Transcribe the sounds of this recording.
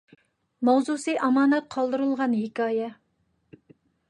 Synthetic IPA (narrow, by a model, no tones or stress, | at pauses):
mɑwzusɨʔɑmɑːnɛt̪̚qʰɑlˠd̪ɨɾɨlˠʁɑnjekʲɑːjɛ